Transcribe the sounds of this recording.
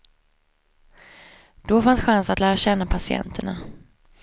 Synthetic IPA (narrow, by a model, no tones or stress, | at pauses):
d̪̥ɔfansɧansat̪læːɾaɕɛnːapʰasɪɛ̰nt̪ʰəɳa